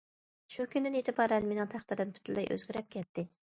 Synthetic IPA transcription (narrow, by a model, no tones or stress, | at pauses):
ʃukʲʰynd̪ɪnet̪ʰɪpɑɾɛnmenɪŋt̪ʰæχt̪ɨɾɨmpʰy̥t̪ʰlːɛ̰jʔø̰zɡʲɪɾɛp̚kʲʰɛt̪ːɪ